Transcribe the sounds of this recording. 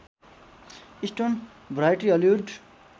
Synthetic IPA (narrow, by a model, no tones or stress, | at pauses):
isʈon | bɾajʈiʌljuɖ